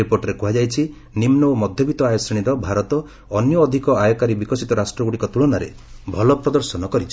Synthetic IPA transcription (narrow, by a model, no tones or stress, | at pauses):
ipoɾʈɔɾekuɦad͡ʒajt͡ʃʰi | nimnɔomɔd̪ʱjɔbʱit̪ɔajɔsɾiɽ̃iɾɔbʱaɾɔt̪ɔː | njɔːd̪ʱikɔajɔkaɾibikɔsit̪ɔɾasʈɾɔɡuɽikɔt̪uɭɔnaɾḛ | bʱɔlɔpɾɔd̪ɔɾsɔnɔkɔɾit͡ʃʰi̥